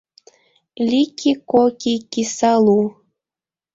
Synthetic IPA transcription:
lʲikʰikokikisɑlu

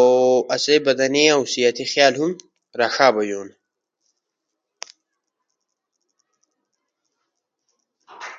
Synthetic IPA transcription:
oɐsebɐd̪ɐniausijɐt̪ʰixjaːlɦum | ɾaxaːbɐjoːn

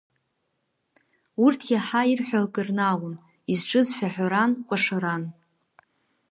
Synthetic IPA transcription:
urtʰjaħairħʷᶣaɡʼɨrnawun | izʈ͡ʂʼɨzħʷᶣaħʷᶣaɾankʷʼaʂaɾan

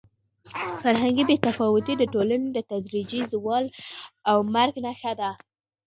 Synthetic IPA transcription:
faɾɦaŋɡibet̪afɑwʊt̪id̪əʈolaned̪ət̪ad̪ɾid͡ʒizwɑlawmaɾɡnaxad̪a

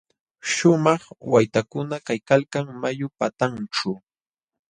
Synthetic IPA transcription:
ʃʊmɑχwajt̪akʊnakajkalkaŋmajʊpat̪ant͡ʃa

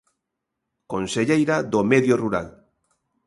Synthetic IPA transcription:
konseʎejɾaðomeðjoruɾa̰l

